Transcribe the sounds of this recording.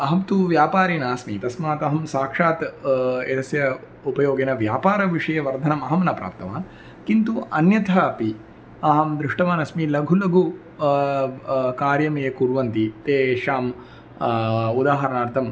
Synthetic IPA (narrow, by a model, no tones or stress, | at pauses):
ɐɦɐmt̪uʋjaːpaːɾinaːsmit̪ɐsmaːt̪ɐɦɐmsaːkʂaːt̪et̪ɐsjɐ | upɐjoːɡenɐʋjaːpaːɾɐʋiʂɐjɐʋɐɾd̪ʱɐnɐmɐɦɐmɐnɐpɾa̰ːp̚t̪ɐʋa̰ːn | kint̪uʔɐnjɐt̪ʰaɐpi | ɐɦɐmd̪ɾɪʂʈɐʋaːnɐsmilɐɡʱulɐɡʱu | kaːɾjɐmeːkuɾʋɐnt̪it̪eːʃaːm | ud̪aːɦɐɾɐnaːɾt̪ʰɐm